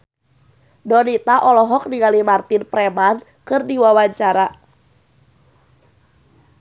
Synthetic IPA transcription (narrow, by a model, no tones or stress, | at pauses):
dɔnit̪aʔɔlɔɦɔk̚niŋɡalimart̪inpɾɛmankɨrdiwawaɲt͡ʃaɾa